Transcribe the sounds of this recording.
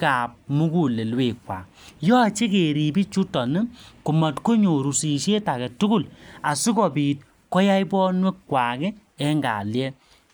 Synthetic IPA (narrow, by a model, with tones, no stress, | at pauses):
ka˨p̚mu˦ku˨le˨lweː˨kːwa̰˨ | jɔ˦˨t͡ʃe˦ke˨ɾi˨bi˦t͡ʃu˦tɔ˨nɨ˦ku˨ma˨tko˦ɲo˨ɾu˨si˨ʃe˦ta˨kɛ˨tu˦ɡu˦˨la˨su˦kɔ˨pi˨t̚ | kɔ˦ja˦jbɔː˦nwe˦kːwa˨kɛ˦ | ɛ˦ŋɡa̰˨ljɛ˦